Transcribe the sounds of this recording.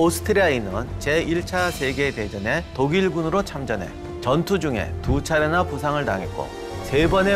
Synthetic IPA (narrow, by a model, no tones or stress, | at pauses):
osʰɯ̥tʰɯɾiainɯnt͡ɕe̞iɭt͡ɕʰasʰe̞ɡe̞te̞d͡ʑʌne̞toɡiɭɡunɯɾot͡ɕʰamd͡ʑʌnɦe̞̰ | t͡ɕʌntʰud͡ʑuŋe̞̰tut͡ɕʰaɾenapusʰaŋɯɭta̰ŋet̚k͈o̰ | se̞bʌne̞